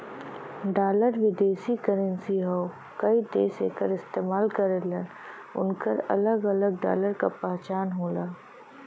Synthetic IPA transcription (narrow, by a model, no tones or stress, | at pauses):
ɖaːləɾʋɪd̪eːsikəɾənsiɦoo | kɐid̪ḛːsekəɾɪst̪eːmaːlkɐɾelən | ʊ̰nkəɾɐ̰ləɡɐləɡ̚ɖa̰ːləɾkapɛɦt͡ʃaːnɦoːlaː